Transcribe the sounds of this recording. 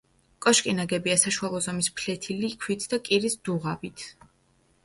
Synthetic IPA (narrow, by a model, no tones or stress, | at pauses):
kʼɔʃkʼinaɡɛbiasaʃualˠɔzɔmispʰlɛt̪ʰilikʰwit̪ʰd̪akʼiɾisd̪̥uʁabit̪ʰ